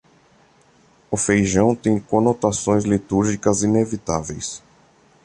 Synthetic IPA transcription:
ʊfejʒɐ̃w̃t̪ẽj̃kõnot̪asõj̃zlit̪uɾʒikɐzinevit̪a̰vḛjs

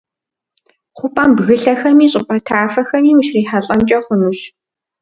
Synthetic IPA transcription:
χʷʊpʼambɣɨɬɐxɐmiːɕʼɪpʼɐtʰaːfɐxɐmiːwuʃriːħaɬʼɐnt͡ʃʼɐχʷʊnuɕ

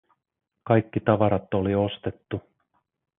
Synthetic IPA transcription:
kɑjkːit̪ɑʋɑɾɑt̪ːolio̞st̪et̪ːu

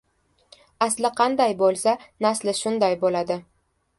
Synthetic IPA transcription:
aslɪqʰɑnd̪ajbolˠsanaslɪʃʊnd̪ajbolad̪ɪ

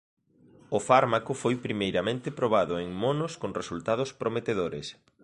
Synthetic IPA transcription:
ʊfaɾmakʊfojpɾimejɾamẽnt̪ɪpɾoβ̞aðʊeŋmonʊskoŋresult̪að̞ʊspɾomet̪eðoɾɪs

